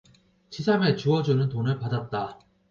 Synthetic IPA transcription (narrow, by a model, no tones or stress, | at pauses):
t͡ɕisʰame̞t͡ɕuʌd͡ʑunɯntonɯɭpadat̚t͈a